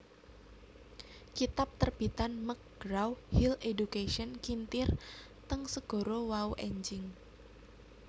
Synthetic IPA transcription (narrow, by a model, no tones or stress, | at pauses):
kit̪ap̚t̪ərb̥i̤t̪anmək̚ɡ̥ɾawhiledukeʃɔnkint̪ɪr | t̪əŋsəɡ̥o̤ɾowauʔeɲd͡ʒɪŋ